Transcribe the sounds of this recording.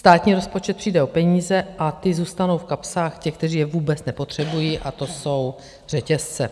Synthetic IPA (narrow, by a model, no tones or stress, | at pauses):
st̪aːt̪ɲiːɾo̞spo̞t͡ʃɛt̪̚pr̥iːdɛo̞pɛɲiːzɛʔat̪ɪzuːst̪ano̞wfkapsaːxcɛk̚t̪ɛriːjɛvuːbɛt͡snɛpo̞t̪r̝̥ɛbujiːʔat̪o̞so̞w | r̝ɛcɛst͡sɛ